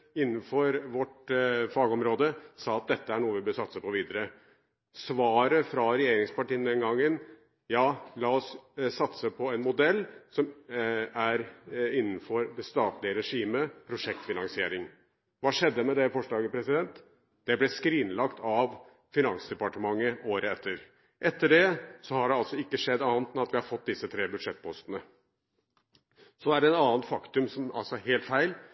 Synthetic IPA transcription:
ɪnːn̩fɔɾʋɔʈfɑːɡɔmɾoːd̪əsɑːɑt̪̚d̪ɛt̪ːəæɳuːəʋɪbøsɑt̪səpɔʋiːd̪əɾə | sʋɑːɾəfɾɑɾɛjeːɾɪŋspɑʈiːənd̪ɛnɡɑŋːən | jɑːlɑːɔssːɑt̪səpʰɔɛnmʊd̪ɛlːsɔm | æɾɪnːn̩fɔɾd̪ɛst̪ɑːt̪lɪəɾɛʂiːməpʰɾʊʂɛk̚t̪fɪnɑŋsɪeːɾɪŋ | ʋɑːʂɛd̪ːəmɛd̪ɛfɔʂlɑːɡəpʰɾɛsɪd̪ɛnt̪ | d̪̥ɛblɛskɾiːnlɑkt̪ʰɑʋ | fɪnɑŋsd̪ɛpɑʈəmɑŋːəoːɾəɛt̪ʰːəɾ | ʔɛt̪ːəɖɛsɔhɑɖɛɑlsɔɪkːəʂɛd̪ːɑːnt̪ɛnɑt̪ʋɪhɑɾfɔt̪̚ːd̪ɪsːət̪ʰɾeːbʉd̪ʂɛt̪̚ːpʰɔst̪ənə | sɔæɖɛɛnɑːnt̪fɑkt̪ʉmsɔmɑ̰lsɔheːlt̪fæɪl

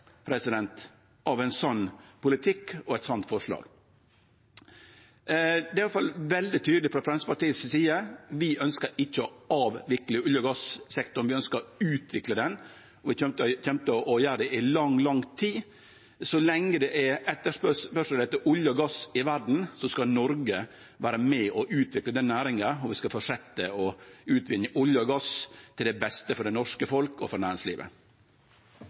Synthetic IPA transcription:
pʰɾɛsɪd̪ɛnt̪ | ʔɑʋɛɪnsɔnːpʊlɪt̪ʰɪkːɔɛɪt̪sɔnt̪fɔʂlɑ̰ːɡ̥ | d̪ɛːɑlfɑlʋɛld̪ɪt̪ʰyːd̪lɪfɾɑfɾɛnsəpɑʈiːəssiːəʋɪʔœnskəɾɪçːəɔɑːʋʋɪklɪʊljəɡɑssɛkt̪ʊɳ̩ʋɪœnskəɾʉːt̪ʋɪkləd̪ɛn | ɔʋɪçɛmt̪əçɛmt̪əɔʔɔjæːɾd̪ɛʔɪlɑŋlɑŋt̪ʰiː | sɔlɛŋːəd̪ɛʔɛɛt̪ːəʂpœpœʂlɛt̪ːəʔʊljəɔɡɑsɪʋæɾɖɳ̩sɔskɑnɔɾɡə | ʋæːɾəmɛʔɔʔʉːt̪ʰʋɪkləd̪ɛnːæːɾɪŋəɔʋɪskɑfɔʂɛt̪ːəɔʉːt̪ʰʋɪnːəʔʊljəɔɡɑst̪ʰɪld̪ɛbɛst̪əfɔɖɛnɔʂkəfɔlkɔ̰fɔɾnæːɾɪŋslḭːʋə̰

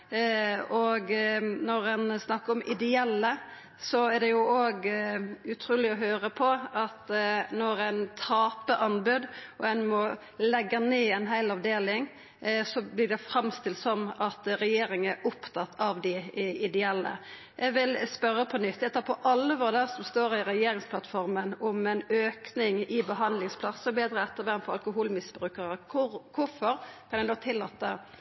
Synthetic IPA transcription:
ɔɡnɔɾɛnsnɑkːəɾɔmʔɪd̪ɛɛlːə | sɔæd̪ɛjʊoːɡʉt̪ʰɾuːlɪɔɦøːɾəpʰɔɑt̪nɔɾæɪnt̪ʰɑːpəʔɑnbʉd̪ʔɔɛnmɔ | lɛɡːəneːɛnɦæɪlɑʋd̪eːlɪŋ | sɔblɪdɛfɾɑmst̪ɪlt̪sɔmɑt̪ɾɛjeːɾɪŋəɛʔʊpt̪ʰɑt̪ʰːɑʋd̪ɪɪd̪ɛɛlːə̰ | ʔɛɡʋɪlspœɾːəpʰɔnʏt̪ʰːɛt̪ːɑpʰɔʔɑlːʋɔːɾd̪æʁsɔmst̪oːɾɪɾɛjeːɾɪŋspʰlɑt̪fɔɾmənɔmɛnøːknɪŋɪbəɦɑnd̪lɪŋspʰlɑsɔb̪eːd̪ɾəɛt̪ːəʁʋɛnmfɔɾɑ̰lkʊɦuːlmɪsbɾʉːkəɾəkʰʊkʰʊɾfɔɾkʰɑnɛɪnoːt̪ʰɪlːɑːt̪ːə

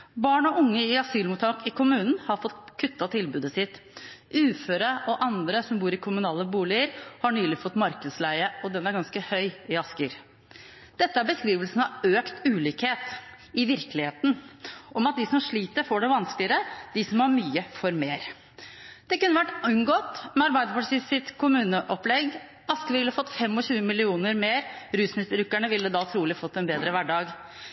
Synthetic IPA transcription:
bɑːɳɔʔʊŋːəɪɑsyːlmuːt̪ʰːɑːkɪkʰʊmʉːnn̩hɑɾfɔt̪kʰːʉt̪ːɑt̪ʰɪlbʉːd̪əsɪt̪ːʉːføːɾəʔɔʔɑnd̪ɾəsɔmbuːɾɪkʰʊmʉnɑːləbuːlɪəɾhɑɳyːlɪfɔt̪ːmɑɾkəslæɪəɔd̪ɛnæɾɡɑnskəhœʏɪɑskəɾ | d̪̥ɛt̪ːəæɾbəskɾiːʋəlsn̩ɑøːkt̪ʉːliːkheːt̪ | ɪʋɪɾkəlɪheːt̪nʔɔmɑt̪̚d̪ɪsɔmʂɭiːt̪əɾfoːɖɛʋɑnsklɪəɾəd̪̥ɪsɔmhɑɾmyːəfɔɾmeːɾ | d̪̥ɛkʉnːəʋæʈːʉŋɡoːt̪mɛɑɾbæɪd̪əpʰɑʈsisɪt̪kʰʊmʉːnəʔɔplɛɡ | ɑskəʋɪlːəfɔt̪ːfɛmːɔɕʉːəmɪlɪuːnəɾmeːɾɾʉːsnɪst̪ɾʉkːæɳəʋɪld̪əd̪ɑlt̪ʰɾuːlɪfɔt̪ːɛnbeːd̪ɾəʋæɖɑːɡ

